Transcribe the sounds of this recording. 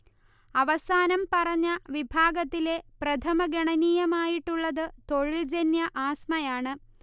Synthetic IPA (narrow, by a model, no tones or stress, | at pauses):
ɐʋɐsaːnɐmpɐrɐɲːɐʋibʱaːɡɐt̪ːile̞prɐt̪ʰɐmɐɡɐɳɐniːjɐmaːjiʈːuɭːɐðɨt̪o̞ɻild͡ʑɐnjɐʔaːsmɐjaːɳɨ